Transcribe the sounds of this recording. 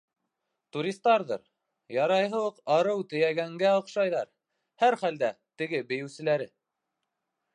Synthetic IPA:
t̪uɾʲist̪ːɑɾðɤɾ | jɑɾɑjɦɤ̆lˠɤqɑɾɤwt̪ɘ̆jæɡæŋɡæŏqʃɑjðɑɾ | hæɾχæld̪æt̪ɘ̆ɡɘbɘ̆jɘ̆wsɘ̆læɾɘ

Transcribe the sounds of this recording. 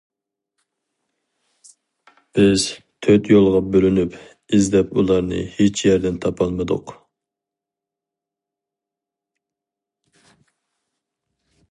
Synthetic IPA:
b̥ɪz̥ | t̪ʰøt̪jolˠʁɑbølynyp | izd̪ɛpulˠɑɾnɨ̰het͡ʃjɛɾd̪ɛnt̪ʰɑpʰɑlˠmɨd̪ʊ̰q

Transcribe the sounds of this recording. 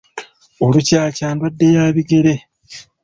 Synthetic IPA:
olucaːcaːndwadːe̞jaːβiɡeɾe̞

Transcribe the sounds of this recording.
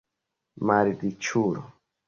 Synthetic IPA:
maɾidit͡ʃuɾɔ̰

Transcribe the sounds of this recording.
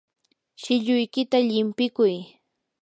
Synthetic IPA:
ʃɪʎʊjkɪt̪aʎɪmpɪkʊj

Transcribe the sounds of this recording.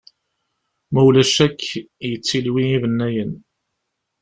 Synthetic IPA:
mæwlæʃækː | jət͡sːilwiivənːæjən

